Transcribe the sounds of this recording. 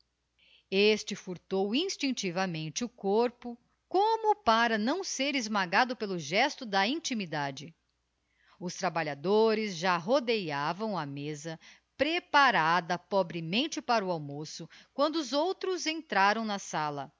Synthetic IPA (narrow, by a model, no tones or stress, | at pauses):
est͡ʃɪfuɾt̪owĩst͡ʃĩnt͡ʃivɐmẽnt͡ʃɪʊkoɾpʊ | kõmʊpaɾɐnɐ̃w̃seɾɪzmaɡad̪ʊpelʊʒɛst̪ʊd̪ɐĩt͡ʃimid̪ad͡ʒɪ | ʊst̪ɾabaʎad̪oɾɪzʒaɦod̪ejavɐ̃w̃ɐmezɐ | pɾepaɾad̪ɐpɔbɾɪmẽnt͡ʃɪpaɾʊawmosʊkwɐ̃nd̪ʊːzowt̪ɾʊzẽnt̪ɾaɾɐ̃w̃nɐsalɐ